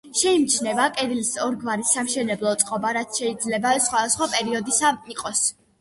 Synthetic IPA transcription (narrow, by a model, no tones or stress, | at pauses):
ʃɛimt͡ʃʰnɛvakʼɛd̪ilsɔɾɡvaɾisːamʃɛnɛblˠɔt̪sʼqʼɔbaɾat̪sʰʃɛid̪zlɛbaɛsχwad̪asχwapʼɛɾiɔd̪isaiqʼɔs